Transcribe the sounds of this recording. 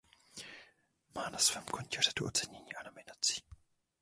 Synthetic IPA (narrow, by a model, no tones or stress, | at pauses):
maːnasvɛːmkoncɛr̝ɛt̪uʔo̞̰t͡sɛɲɛɲiːʔano̞mɪnat͡si̥ː